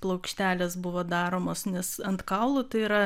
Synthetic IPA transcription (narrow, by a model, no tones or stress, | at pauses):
plˠɐʊkʃʲt̪ʲæːlʲesbʊʋoːd̪ɑːɾoːmoːsnʲɛsɐnt̪kɑʊlˠʊt̪ɐɪiɾɐ